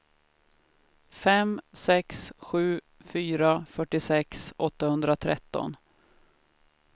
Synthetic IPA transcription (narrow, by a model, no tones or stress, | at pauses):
fɛmsɛksɧʉ̟ː | fyːɾafœʈːɪsɛksʔɔt̪ːahɵnd̪ɾat̪ʰɾɛ̰t̪ːɔ̰n